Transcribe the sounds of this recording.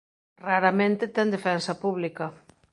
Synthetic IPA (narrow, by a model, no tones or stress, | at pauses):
raɾɐmẽnt̪ɪt̪ɛnd̪efɛnsɐpuβlikɐ